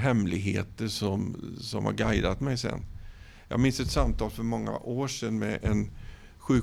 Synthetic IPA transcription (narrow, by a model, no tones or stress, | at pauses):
ɦɛmlɪɡɦeːt̪əʂɔmsɔmha̰ɾɡajd̪at̪mɛjsɛ̰nː | jɑ̰ːɡmɪnsɛt̪samt̪ʰɑːlfœɾmɔŋːa̰ʔoːʂɛnːmɛʔɛn | ɧʉ̟ː